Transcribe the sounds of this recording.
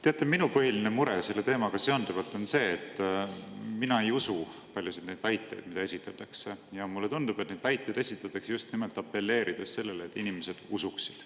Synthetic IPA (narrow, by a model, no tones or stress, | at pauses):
t̪e̞ɑt̪ːˑeminupɤɦilinemuɾese̞lːe̞t̪e̞ːmɑɡ̥ɑse̞ond̪uvɑlt̪ˑo̞nse̞ːt̪ːˑ | minɑe̞jusu | pɑlʲjusid̪̥ne̞jd̪̥væjt̪ːˑe̞̰jd̪̥mid̪ɑe̞sit̪ˑːɑt̪ːˑɑksejɑmulːe̞t̪und̪̥ub̥et̪ne̞jd̪væjt̪ˑːejd̪esit̪ːˑɑt̪ːˑɑksejust̪nimelt̪ːˑɑpːe̞lːe̞ːɾʔid̪̥esse̞lːe̞leːt̪ːˑinimese̞d̪̥usuksi̥d̪̥